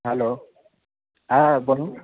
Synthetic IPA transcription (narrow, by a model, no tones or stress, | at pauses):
ɦɛlo | abɔnu